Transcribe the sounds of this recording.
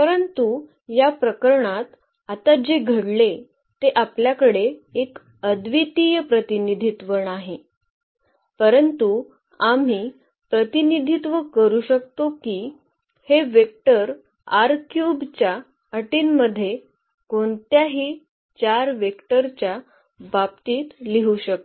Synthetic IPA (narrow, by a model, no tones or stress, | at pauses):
pəɾənt̪u | japɾəkəɾɳat̪ | at̪ad͡ʑeɡʱəɽle | t̪eʔapljakəɽeek | əd̪ʋit̪ijəpɾət̪inid̪ʱit̪ʋənaɦe | pəɾənt̪u | am̤iː | pɾət̪inid̪ʱit̪ʋəkəɾuːɕək̚t̪okiː | heʋek̚ʈəɾ | aɾkjubt͡ɕja | əʈiːnməd̪ʱːje | koɳt̪jaɦiː | t͡ɕaɾʋekʈəɾt͡ɕja | bab̚t̪iːt̪liɦuːɕək̚t̪o